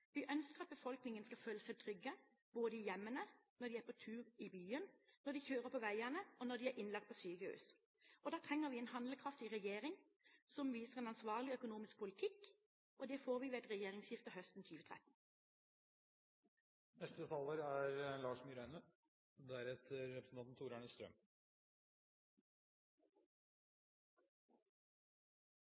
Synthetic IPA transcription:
ʋɪʔœnskəʁɑt̪̚bəfɔlknɪŋənskɑføːləsæɪt̪ʰʁʏɡːə | b̥oːd̪əɪjɛmːənənɔd̪ɪæpʰɔt̪ʰʉːʁɪbyːənnɔd̪ɪçøːʁəpʰɔʋæɪænəɔnɔd̪ɪæɾʔɪnlɑkt̪̚pʰɔsyːɡəʉ̰ːs | ɔd̪ɑːt̪ʰʁɛŋːəʁʋɪɛːnhɑnd̪ləkʰʁɑft̪ɪʁɛjeːʁɪŋ | sɔmʋiːsəʁɛːnɑnsʋɑːʁlɪœkʊnuːmɪsk̚pʰʊlɪt̪ʰɪk | ʔɔd̪ɛfoːʁʋiːʋeːɛt̪ʁɛjeːʁɪŋsjɪft̪əhœst̪n̩t̪ʰyːʋət̪ʰʁɛ̰t̪n̩ | nɛst̪əd̪t̪ʰɑləɾæɾlɑːʂmʏɾæɪnə | d̪ææɾɛt̪ʰəɾːɛpɾsən̩ɑnn̩t̪ʰuːɾɑɳəst̪ɾœ̰m

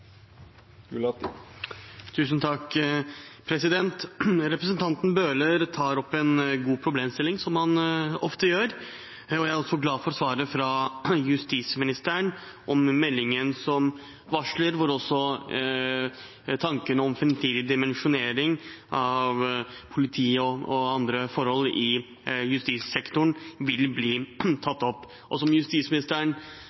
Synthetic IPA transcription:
t̪ʰʉːsnt̪ʰɑkː | pʰɾɛsɪd̪ɛnt̪ɾɛpɾəsənt̪ʰɑnt̪n̩bøːləɾt̪ʰɑːɾɔpːɛnɡuːpʰɾʊbleːmst̪ɪlːɪŋsɔmhɑnɔft̪əjøːɾ | ɔjæɪæɾɔsːɔɡlɑːfɔɾsʋɑːɾəfɾɑjʉst̪iːsmɪnɪst̪əɾəɳ | ʔɔmːɛlːɪŋənsɔm | ʋɑʂləɾʋɔɾɔsːɔ | t̪ʰɑŋkənəɔmfɾɛmt̪ʰiːd̪ɪd̪ɪmɛnʂʊneːɾɪŋʔɑʋ | pʰʊlɪt̪ʰiːɔɔɑnd̪ɾəfɔɾhɔlɪ | jʉst̪iːssɛkt̪ʊɳʋɪlbliːt̪ʰɑt̪ːɔpː | ʔɔsɔmjʉst̪iːsmɪnɪst̪əɳ

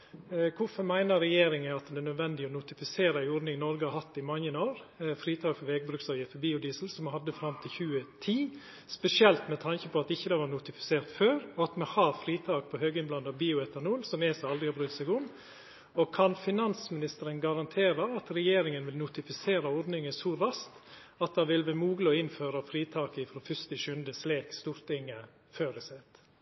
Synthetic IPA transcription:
kʰʊfɔɾmæɪnəɾɾɛjeːɾɪŋəɑt̪d̪ɛnœd̪ʋɛnd̪ɪɔnʊt̪ɪfɪseːɾəɪʊɾd̪nɪŋnɔɾɡəhɑɾhɑt̪ːɪmɑŋːənoːɾfɾiːt̪ʰɑːkfɔɾʋɛːɡ̚bɾʉksɑːɾjət̪əbiːʊd̪iːsəl̩sɔmhɑd̪ːəfɾɑmt̪ʰɪlçʉːət̪ʰiː | spɛsɪɛlt̪mɛt̪ʰɑŋçəpʰɔɑt̪ɪçːəd̪ɛʋɑɾnʊt̪ɪfɪ̥seːɾt̪føːɾɔɑt̪mɛhɑɾfɾiːt̪ʰɑːk̚pʰɔhøːɡəɪnblɑnɑbiːʊɛt̪ʰːəɾnʊlsɔmɛsɔɑlɾɪhɑbɾʉt̪sɛɪɡʊnː | ɔkʰɑnfɪnɑnsmɪnɪst̪əɾənɡɑɾɑnt̪ʰeːɾɑɑt̪ɾɛjeːɾɪŋənʋɪlnʊt̪ɪfɪseːɾɑɔɾd̪nɪŋəsɔɾɑst̪ | ɑt̪̚d̪ɑʋɪlʋɛmuːɡlɔɪnføːɾəfɾiːt̪ʰɑːkəɪfɾɔːfʏst̪ɪʃʉnd̪əsleːkst̪uːɾt̪ɪŋːə | føːɾɪsɛːt̪

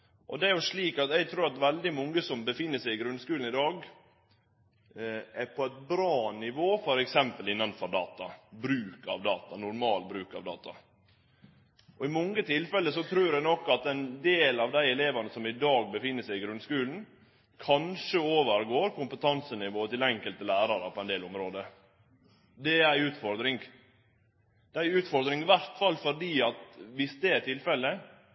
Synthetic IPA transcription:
ʔɔd̪ɛæɾjʊʂɭiːkɑt̪ɛɪɡ̚t̪ʰɾʉːɾɑt̪ʋɛld̪ɪmɔŋːəsɔmbəfɪnːəsæɪɪɡɾʉnskʉːln̩ɪd̪ɑːɡ | ɛɾpʰɔɛt̪̚bɾɑːnɪʋoːfɔɾɛksɛmpəlɪnːɑnfɔɾɖɑ̰ːt̪ɑbɾʉːkɑ̰ʋd̪ɑːt̪ɑnʊɾmɑːlbɾʉːkɑ̰ʋd̪ɑ̰ːt̪ɑ | ʔɔɪmɔŋːət̪ʰɪlfɛlːəsɔt̪ʰɾʉːɾɛɡnɔkːɑt̪ɛnd̪eːlɑʋd̪æɪɛleːʋɑnəsɔmɪd̪ɑːɡ̚bəfɪnːəsæɪɪɡɾʉnskʉːln̩ | kʰɑnʂəoːʋəɾɡoːɾkʊmpət̪ʰɑnsənɪʋoːt̪ɪlɛŋkəlt̪əlæːɾɑɾəpʰɔɛnd̪eːlɔmɾoːd̪ə | d̪ɛæɪʉːt̪fɔɾd̪ɾɪŋ | d̪̥ɛæɪʉːt̪fɔɾd̪ɾɪŋɪʋæɾt̪fɑlːfɔɖiːɑt̪ʋɪsd̪ɛæʈʰɪlfɛlːə

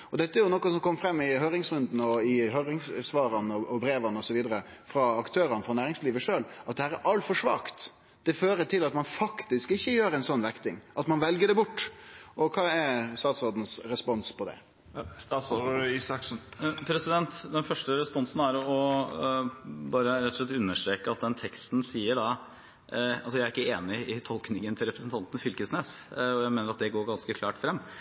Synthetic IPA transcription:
ɔd̪ɛt̪ːəæɾjʊnɔkːɔsɔmkʰɔmːfɾɛmːɪɦœːɾɪŋsɾʉnd̪n̩ɔɪɦœɾɪŋssʋɑːɾɑnəɔʔɔbɾeːʋɑnəɔsɔʋiːd̪əɾəfɾɑɑkt̪ʰøːɾɑnəfɾɑnæːɾɪŋsliːʋəʂøːlʔɑt̪d̪ɛhæːɾæɾɑlt̪fɔʂʋɑ̰ːkt̪ | d̪̥ɛføːɾəʈ̪ʰɪlɑt̪mɑnfɑkt̪ɪskɪçːəjøːɾɛɪnsɔnːʋækt̪ɪŋʔɑt̪mɑnʋɛlɡəɖɛbʊʈːʔɔkʰɑːɛst̪ɑːt̪sɔd̪n̩sɾɛspɔnspʰɔd̪ɛ̰ | st̪ɑːt̪sɔisɑksn̩pʰɾɛsɪd̪ɛnt̪d̪ɛnfœʂʈəɾɛspɔnsn̩æɾɔ | bɑːɾəɾɛt̪ːɔ̥ʂlɛt̪ːʉnːəʂʈ̪ɾeːkəɑt̪̚d̪ɛnt̪ʰɛkst̪n̩siːəɖɑ | ɑlsɔjæɪæɾɪkːəeːnɪɪt̪ʰɔlknɪŋənt̪ʰɪlɾɛpɾəsn̩t̪ɑnt̪ənfʏlkəsneːsɔjæɪmeːnəɾɑt̪̚d̪ɛɡoːɾɡɑnskəkʰlɑːʈfɾɛmː

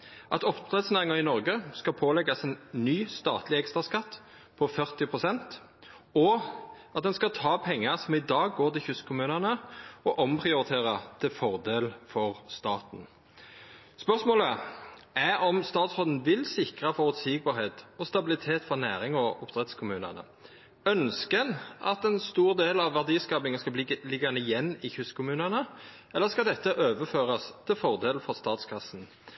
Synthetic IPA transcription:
ʔɑ̰t̪ɔpd̪ʁɛt̪snæːʁɪŋɑʁɪnɔʁɡəskɑpʰoːlɛɡɑsɛnːyːst̪ɑ̰ːt̪ʰlɪɛkst̪ʁɑskɑt̪ː | pʰɔfœʁt̪ɪpʰʁʊsɛnt̪ | ɔ | ɑt̪̚d̪ɛnskɑt̪ʰɑːpʰɛŋːəʁsɔmɪd̪ɑːɡːoːʁt̪ɪlçʉskʰʊmʉːnənəɔʔɔmpʰʁɪʊɾɪt̪ʰeːʁɑt̪ʰɪlfɔʁd̪eːlfɔʁst̪ɑːt̪n̩ | spœʁsmoːləʔæɾɔmst̪ɑːt̪sʁoːd̪n̩ʋɪlsɪkʁɑfɔʁʉt̪siːɡ̚bɑːʁheːt̪ɔst̪ɑbɪlɪt̪ʰeːt̪fɔʁnæːɾɪŋɔʔʊpt̪ʰʁɛt̪skʰʊmʉːnə̰nə̰ | œnskənɑ̰t̪ɛnst̪uːʁd̪eːlɑʋʋːæʁd̪iːskɑːbɪŋəskɑbllɪɡːɑnəɪjɛnːɪçʉskʰʊmʉːnənə | ʔɛlːəʁskɑld̪ɛt̪ːəʔøːʋəføːʁɑst̪ʰɪlfɔʁd̪eːlfɔʁst̪ɑːt̪skʰɑsn̩

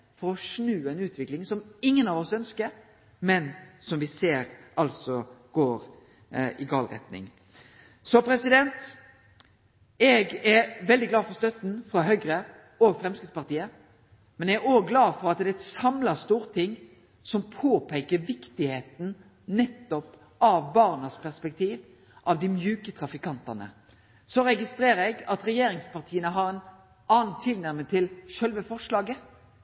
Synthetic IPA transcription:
fɔɾɔʂnʉːɛnʉːt̪ʰʋɪklɪŋsɔmɪŋːənɑʋɔsœnskəɾ | mɛnsɔmʋɪseːɾɑlsɔɡ̥oːɾ | ɪɡɑːlɾɛ̰t̪nɪ̰ŋ | sɔpʰɾɛsɪd̪ɛnt̪ | ɛɡɛʋɛld̪ɪɡlɑːfɔɾst̪œt̪n̩fɾɑɦœɡɾə | ɔfɾɛmskɾɪt̪spɑɾt̪iːə | mɛnɛɡɾoːɡlɑːfɔɾɑt̪d̪ɛɛt̪sɑmlɑst̪uːɾt̪ʰɪŋː | sɔmpʰoːpʰeːkəɾʋɪkt̪ɪheːt̪n̩ | nɛt̪ːɔp | ɑʋbɑʁnəspʰæʁspɛk̚t̪ʰiːʋ | ʔɑʋd̪ɪmjʉːkət̪ʰɾɑfɪkɑnt̪ɑnə̰ | sɔɾɛɡɪst̪ɾeːɾəɛɡɑt̪ɾɛjeːɾɪŋspʰɑʁt̪ʰiːənəɦɑɾɛn | ɑːnt̪ʰːɪlnæɾmət̪ʰɪlʃœlʋəfɔʂlɑːɡə

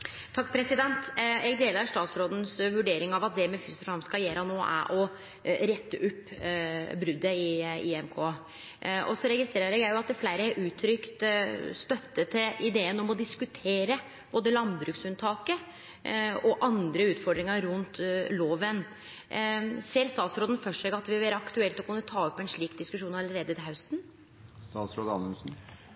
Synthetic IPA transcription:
t̪ʰɑkːpʰɾɛsɪd̪ɛnt̪ɛɡd̪eːləɾʂt̪ɑːt̪sɾoːd̪n̩sʋʉɖeːɾɪŋɑʋɑt̪̚d̪ɛmɛfʏst̪əfɑmskɑjeːɾɑnoːʔæ̰ɾʔɔ | ɾɛt̪ʰːəʔʉpː | bɾʉd̪ːəɪiɛmkʰoː | ɔ̰sɔɾɛɡɪst̪ɾeːɾəɾɛɡjæɪjʊɑt̪̚d̪ɛflæɪɾəæɾʔʉːt̪ʰɾʏkt̪st̪œt̪ːət̪ʰɪlʔɪd̪eːənɔmɔd̪ɪskʉt̪ʰeːɾə | b̥oːd̪əlɑnbɾʉːksʉnt̪ʰɑːkə | ɔʔɑnd̪ɾəʉːt̪fɔɖɾɪŋɑɾʉnt̪loːʋən | seːɾst̪ɑːt̪sɾoːd̪ən̩fœʂɛɡɑt̪ʋɪʋɛːɾəɑkt̪ʉɛlt̪ɔkʰʉnːət̪ʰɑːɔpːɛnʂɭiːkd̪ɪskʉʂuːnɑləɾeːd̪ət̪ɪlhɑʉst̪n | st̪ɑːt̪sɾoːd̪əɑnsn̩

